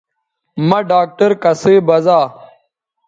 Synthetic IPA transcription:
mɐɖaːk̚ʈɐɾkɐseːbɐzaː

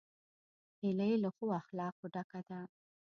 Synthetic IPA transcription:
hɪləjləxoaxlɑqoɖakad̪a

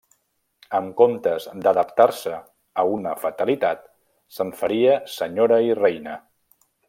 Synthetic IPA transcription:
əmkomt̪əzd̪əðəpt̪aɾsəː | unəfət̪əlit̪at̪ | səɱfəɾiəsəɲoɾəirejnə

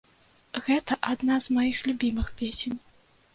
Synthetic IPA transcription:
ɣɛt̪ɐʔad̪nazmajixlʲubʲimɨxpʲesʲenʲ

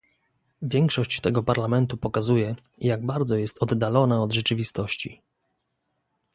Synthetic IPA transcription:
vʲjɛŋkʂɔɕt͡ɕt̪ɛɡɔpaɾlamɛnt̪upɔkazujɛ | jaɡ̚baɾd̪zɔjɛst̪ɔd̪ːalɔnaɔd̪ʐɛt͡ʂɘvʲist̪ɔɕt͡ɕḭ

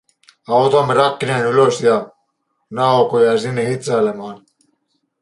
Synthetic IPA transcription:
ɑwt̪omiɾɑkːinenyløsjɑ | nɑokojɑzinːehit̪sɑlemɑːn

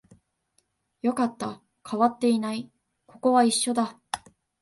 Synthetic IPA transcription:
jo̞kat̪ːa | kʰaβat̪ːe̞inai | ko̞ko̞βaiɕːo̞d̪a

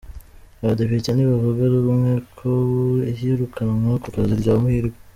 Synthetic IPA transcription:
aβadepicaniβavuɡaɾuɾumŋekʰoihiɾukʰanamuokokaziɾɟaːmuhiɾɡe

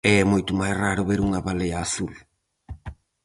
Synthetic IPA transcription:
ɛɛmojt̪ʊmajsraɾʊβeɾuŋɐβalejɐːθul

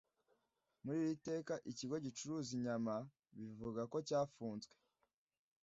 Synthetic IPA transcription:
muɾiːwite̞ːkaʔiciɡo̞ɟit͡ʃuɾuːziɲama | βivuɡako̞caːfuːnzɡwe

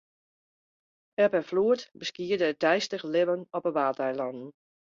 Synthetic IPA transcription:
ɛpɛfluətbəskiədədɛjstəxlɪʋənɔpəʋaːtɛjlɔnn̩

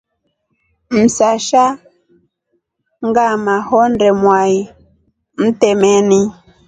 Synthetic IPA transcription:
m̩saʃa | ŋɡamahɔndɛmwai | m̩tɛmɛni

